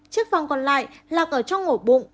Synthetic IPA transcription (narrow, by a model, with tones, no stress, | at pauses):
t͡ɕɨ˦˥ək̚va˨˩wŋ͡mkɔ˨˩nla̰ː˧˨jlaː˨˩ʔəː˧˩t͡ɕɔ˧wŋ͡mŋo˧˩ɓʊ̰˧˨ŋ͡m